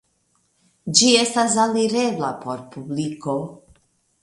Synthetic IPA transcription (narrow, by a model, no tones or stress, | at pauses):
d͡ʒie̞stas̬aliɾebla̰pʰoɾpubliko